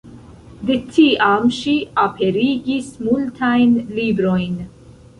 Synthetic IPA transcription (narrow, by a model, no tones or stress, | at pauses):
d̪ɪt̪ʰːiːʔaːmʃiʔɐpʰɛɾiːɡismult̪ʰajnliːbɾɔjn